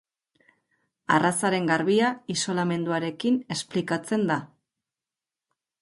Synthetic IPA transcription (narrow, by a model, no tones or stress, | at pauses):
a̰rasaɾe̞ŋɡaɾβiaiso̞lame̞nd̪uaɾe̞kine̞splikat͡se̞nd̪a